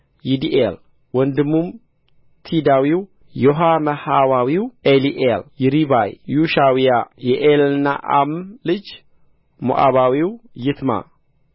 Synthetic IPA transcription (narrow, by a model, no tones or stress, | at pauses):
jid̪iʔel | wɔnd̪ɨmːum | t̪ʰid̪awiw | joɦaməhawawiwʔeliʔeljɪɾibajjuʃawijajɛʔelɨnːa̰ʔamlɨd͡ʒ | mṵʔa̰βawiwjɪt̪ʰma̰